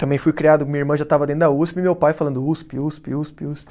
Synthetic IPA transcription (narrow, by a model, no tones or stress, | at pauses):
t̪ɐ̃mbẽj̃fujkɾiad̪ʊmĩɐiɾmɐ̃ʒat̪avɐdẽt̪d̪auspɪmewpajfalɐ̃nd̪ʊuspiuspiuspiuspɪ